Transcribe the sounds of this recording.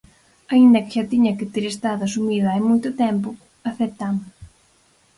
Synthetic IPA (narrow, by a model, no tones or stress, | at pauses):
aind̪ɐkɪʃat̪iɲɐkɪt̪iɾest̪aðɐsumiðɐajmujt̪ʊt̪ɛmpʊ | aθeɾt̪am